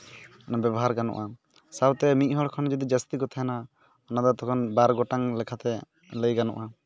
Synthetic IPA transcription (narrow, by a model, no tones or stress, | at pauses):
ɔnabjɛbɔɦaɾɡanɔ̰ʔa | sabt̪ɛmic̪̚ˀɦɔɽkʰɔnd͡ʒɔd̪id͡ʒəst̪iɡɔt̪ʰajana | ɔnad̪ɔt̪ɔkʰɔnbaɾɡɔʈaŋlɛkʰat̪ɛ | ləjɡanɔ̰ʔa